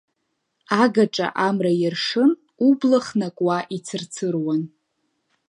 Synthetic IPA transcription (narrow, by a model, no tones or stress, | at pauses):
aɡaʈ͡ʂʼa̰ʔamrajɪrʂɨn | ublaχnakʷʼwaʔit͡sʰɨrt͡sʰɨrwan